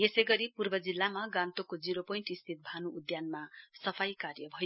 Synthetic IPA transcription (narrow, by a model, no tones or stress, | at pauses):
jesejɡʌɾipurbʌd͡zilːamaɡãnt̪okod͡ziɾopʌiɳʈist̪ʰit̪̚bʱanuːd̪janmasʌpʰajkarjʌbʱʌjo